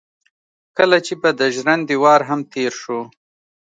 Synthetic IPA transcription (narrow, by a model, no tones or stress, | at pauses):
kəlat͡ʃebad̪əʒɾand̪iwɑɾɦamt̪eɾʃu